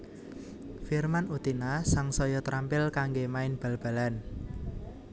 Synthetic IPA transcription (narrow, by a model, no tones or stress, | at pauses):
firmanut̪inasaŋsɔjɔt̪ɾʔampɪlkaŋɡemaɪnb̥a̤lb̥a̤lan